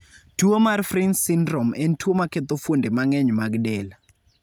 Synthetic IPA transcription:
tuomarfrinsindromɛntʰuomaket̪ofondemaŋɛɲmaɡdɛla

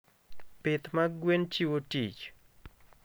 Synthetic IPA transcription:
pɪt̪maɡwent͡ʃiwotit͡ʃ

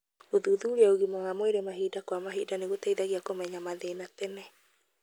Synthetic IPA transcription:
oðuðuɾaoɣimoɣamoeɾemaɦiːdakwamaɦiːdaneɣotaiðaɣiakomɛɲamaðeːnatɛnɛ

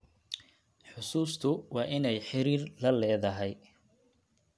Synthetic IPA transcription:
ħʊsuːst̪ʰʊwɑːʔɪnɛjħɪɾiːrlɐlɛːðɐɦɛj

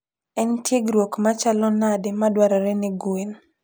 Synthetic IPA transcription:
ɛntjeɡɾwokmat͡ʃalɔnadɪmadwaɾaɾɛnɪɡwen

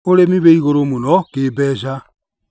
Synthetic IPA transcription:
oɾemiβeiɣoɾomunɔkeːbɛːʃ̬a

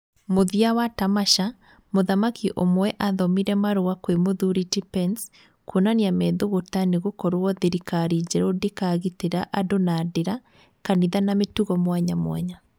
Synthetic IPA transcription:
moðiawatamaʃa | moðamakʰiʔomwɛʔaðɔmiɾɛmaɾoakwemoðuɾitipɛns | konaniamɛðoɣotaneɣokɔɾoɔðeɾikaɾid͡ʑɛɾodekaɣiteɾaʔadonadeɾa | kaniðanametuɣɔmwaɲamw̰a̰ɲa

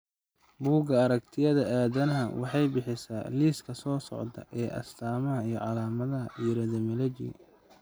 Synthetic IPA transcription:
buːɡɐɐɾɐkt̪ʰɪjɐðɐaːðɐnɐɦɐwʔɑħɑjbɪħɪsaːliːskʰɐsɔːsɔ̰ʕd̪ɐ̰ʔɛːʔɐ̰st̪ʰaːmɐɦɐijɞʕɑlaːmɐðɐɦɐʔiːɾɐðɐmɪlɛt͡ʃɪ̰

